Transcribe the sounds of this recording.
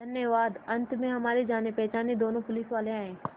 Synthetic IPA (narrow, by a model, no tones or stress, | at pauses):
d̪ʱɐnjəʋaːd̪ɐ̃nt̪ʰmẽɦɐmaːɾid͡ʒaːnepɛːt͡ʃaːned̪oːnõpʊliːsʋaːleaːẽː